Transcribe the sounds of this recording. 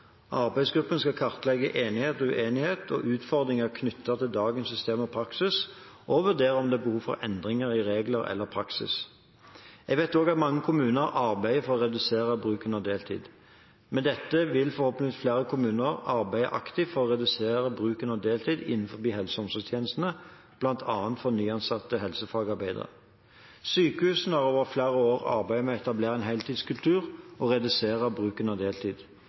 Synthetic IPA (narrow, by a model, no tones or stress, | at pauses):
ʔɑɾbæɪsɡɾʉpːənskɑkʰɑʁt̪əlɛɡə̰ʔeːnɪheːt̪ɔʉʔeːnɪheːt̪ʰɔ̰ʔʉːt̪fɔʁd̪ɾɪŋəʁkʰnʏt̪ʰːəʁt̪ʰɪld̪ɑːɡənsːʏst̪eːmɔpʰɾɑksɪs | ʔɔʋʉʁd̪eːɾəɔmd̪ɛæbəhuːʋfɔ̰ɾʔɛ̰nd̪ʁɪŋəɾɪɾeːɡləɾɛ̰lːəʁpʰɾɑksɪ̰s | ɛɡʋæɪt̪oːɡɑt̪mɑŋːəkʰʊmʉːnəɾɑɾbæɪəfɔʁɔʁɛd̪ʉseːʁəbʁʉːkənɑd̪eːlt̪ʰḭːd̪ | mɛnd̪ɛt̪ːəʋɪlfɔɾhoːpəɪflæːɾəkʰʊmʉːnəʁɑɾbæɪə̰ʔɑ̰kt̪ɪfɔʁɔʁɛd̪ʉseːʁəbʁʉːkənɑd̪eːlt̪ʰiːd̪ɪ̰nːn̩fɔbiːɦɛlsəɔmsʉst̪ʰjeːnəst̪ən̩ə | b̥lɑnt̪ʰɑːənt̪fɔnyːɑnsɑt̪ːəɦɛlsəfɑːɡɑɾbæɪd̪ə̰ʁə̰ | syːkəhʉːsn̩d̪æʁoːʋəʁflæːʁəoːʁɑ̰ɾbæɪmɛɛt̪ɑbleːɾəɛnɦɛɪlt̪iːd̪skʉlt̪ʰʉːʁɔʁɛd̪ʉseːʁəbʁʉːkənɑd̪eːlt̪ʰiːd̪̥